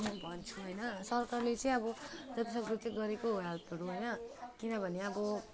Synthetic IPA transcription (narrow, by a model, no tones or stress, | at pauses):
nbʱʌnt͡sʰuɦʌjnʌsʌrkarlet͡sʌĩʌbʌd͡zʌt̪isʌkrut͡sʌ̃ɡʌɾekoɦalt̪ʌɾuɦʌjnʌkinʌbʱʌneʌbʌ